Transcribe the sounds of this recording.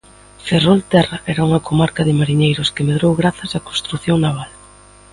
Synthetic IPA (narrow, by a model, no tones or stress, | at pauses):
ferolt̪ɛraʔɛɾɐuŋɐkomaɾkɐðɪmaɾiɲejɾʊskɪmeðɾowɣɾaθɐsako̥nst̪ɾuθjoŋnaβ̞al